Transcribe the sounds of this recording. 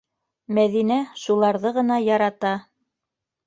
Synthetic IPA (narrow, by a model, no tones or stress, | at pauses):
mæðinæʃulˠɑɾðɤʁɤ̆nɑjɑɾɑt̪ɑ